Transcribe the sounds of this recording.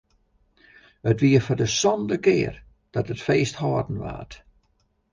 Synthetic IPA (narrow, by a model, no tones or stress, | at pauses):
ətʋiəfɔrdəsɔndəkɪːər | d̥ɔtətfeːsthɔːdn̩ʋa̰ːt